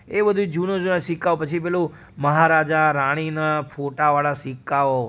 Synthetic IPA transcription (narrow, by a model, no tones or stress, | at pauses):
ebəd̪ʱud͡ʒunod͡ʒunaʃikːaopət͡ʃʰipelo | məɦaɾad͡ʒaɾaɽ̃inafʰoʈaʋaɭaʃikːao